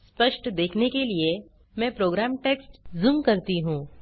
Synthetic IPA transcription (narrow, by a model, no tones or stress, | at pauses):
spɐʃʈd̪eːkʰnekelie | mɛ̃ːpɾoːɡɾaːmʈeːksʈzʊmkɐɾt̪iɦũː